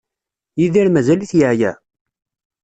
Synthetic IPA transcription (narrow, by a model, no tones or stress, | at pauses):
jiðiɾmæzæliθjaʕjæ̰